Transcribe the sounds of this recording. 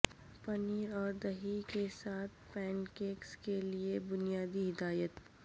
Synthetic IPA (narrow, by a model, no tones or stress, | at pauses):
pɐniːɾɔːɾd̪ɐɦikesaːt̪̚ʰpɛ̃ːnkeːkskeliebʊnijaːd̪iɦɪd̪aːjət̪